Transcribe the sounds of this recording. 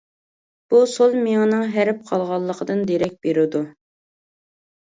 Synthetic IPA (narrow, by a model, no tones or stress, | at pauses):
b̥usolˠmiŋnɨŋɦæɾɪp̚qʰɑlˠʁɑlˠːəqʰəd̪ɨnd̪eɾɛk̚ʲb̥eɾɪd̪u